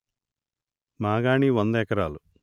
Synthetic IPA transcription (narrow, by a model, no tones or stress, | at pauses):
maːɡaːɳiʋɐnd̪ɛːkɐɾaːlu